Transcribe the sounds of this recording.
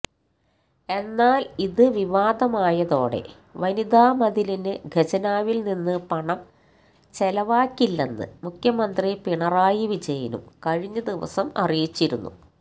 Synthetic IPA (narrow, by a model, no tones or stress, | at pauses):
e̞nːaːliðɨʋiʋaːd̪ɐmaːjɐðo̞ːɽe̞̰ | ʋɐnid̪aːmɐd̪ilinɨɡʱɐd͡ʑɐnaːʋilninːɨpɐɳɐm | t͡ɕelɐʋaːkːilːɐnːɨ̰mukʰjɐmɐnd̪ripiɳɐraːjiʋid͡ʑɐjɐnṵmkɐɻiɲːɐd̪iʋɐ̰sɐmɐ̰rijit͡ɕːiɾunːṵ